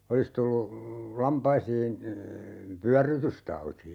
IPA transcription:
olis tulːu lɑmpɑisiːn pyærːytystɑuti

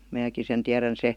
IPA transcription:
mæːki sen tiæræn se

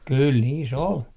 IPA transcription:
kul niːs ol

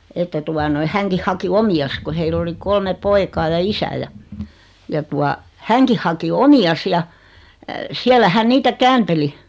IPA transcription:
etːæ tuɑ noi hæŋkih hɑki omiɑs ko heilː oli kolme poikɑː jɑ isæ jɑ jɑ tuɑ hæŋkih hɑki omiɑs jɑ siælːæ hæn niːtæ kæːnteli

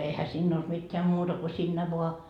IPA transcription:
ehæ sinː old̥ mitːeæ mutɑ ko siːnːæ ʋoɑ

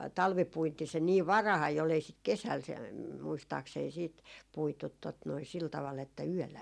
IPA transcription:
tɑlʋipuinti se niːʋ ʋɑrɑhɑi ol ei sit kesæl se muistɑːksei siːt puitut tot noi sil tɑʋɑl etːæ yølːæ

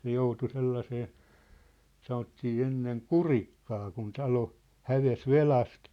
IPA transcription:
se joutu selːɑseː sɑnotːiː enːeŋ kurikːɑː kun tɑlo hæʋes ʋelɑst

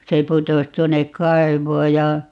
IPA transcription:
se putos tuonek kɑi̯ʋoː jɑ

